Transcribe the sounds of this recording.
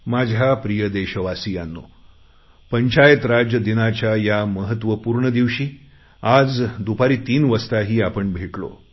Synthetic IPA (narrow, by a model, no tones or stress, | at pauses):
mad͡ʑʱapɾijəd̪eɕəʋasijanːo̰ | pəɲt͡ɕajət̪ɾad͡ʑjəd̪inat͡ɕajaməɦət̪ʋəpuɾɳəd̪iʋɕiː | ad͡zd̪upaɾiːt̪iːnʋəst̪aɦiːapəɳbʱeʈlo̰